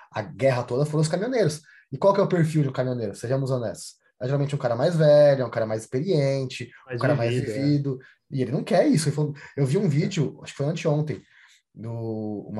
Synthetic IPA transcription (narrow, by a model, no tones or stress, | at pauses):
ɐ̰ɡɛɦɐt̪od̪ɐfoɾɐ̃ʊskamĩõneɾʊs | ɪkwawkɪɛʊpeɾfiwd͡ʒɪũkamĩõneɾʊseʒɐ̃muzɐ̃nd̪ɛ̰sɐ̥ | ɛʒeɾawmẽnt͡ʃɛũkaɾɐmajzvɛʎʊɛũkaɾɐmajzɪ̥speɾiẽnt͡ʃɪm̃kaɾɐmajzĩvid̪ʊ | ɪelɪnɐ̃w̃kɛɾisʊeɪfolewviũvid͡ʒɪʊa̰ʃʊkɪ̥fojɐ̃nt͡ʃɪõnt̪ẽj̃ | d̪ʊṵ̃m